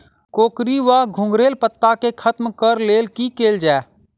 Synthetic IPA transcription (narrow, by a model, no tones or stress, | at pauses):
koːkɾiʋaɡʱʊ̃ŋɡɾeːlpət̪ːakekʰət̪mkəɾleːlkikeːld͡ʒaː